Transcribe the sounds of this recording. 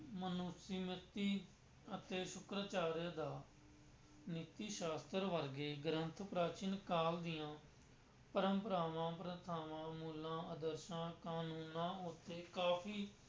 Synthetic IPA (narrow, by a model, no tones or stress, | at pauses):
mənʊsiːmɪt̪ːiː | ət̪eːʃʊkɾaːt͡ʃaːɾjaːd̪aː | nɪt̪ːiːʃaːst̪əɾʋəɾɡeːɡɾənt̪ʰpɾaːt͡ʃɪnkaːld̪ɪjãː | pəɾə̃mpəɾaːʋãːpɾət̪ʰaːʋãːmuːlãːəd̪əɾʃãːkaːnuːnãːʊt̪ːeːkaːpʰiː